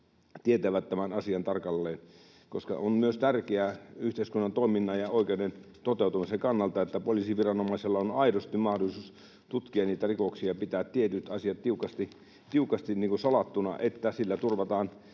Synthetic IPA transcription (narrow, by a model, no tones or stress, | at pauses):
t̪iet̪æʋæt̪ːæmænɑsiɑnt̪ɑrkɑlːeːn | ko̰skɑ̰onmyøst̪ærkeæyht̪eiskunːɑnt̪oˑiminːɑjɑoˑikeunen | t̪ot̪eˑut̪umisekɑnːɑlt̪ɑet̪ːæpoliˑsiʋirɑnomɑiselːɑonɑidost̪immɑhdolisuːs | t̪ut̪kiɑniːt̪ærikoksiɑpit̪æːt̪t̪iet̪yt̪ɑsiɑt̪t̪iukɑst̪i | t̪iukɑst̪iniːŋkusɑlɑt̪ːunɑ̰ʔet̪ːæsilːæt̪urʋɑt̪ɑːn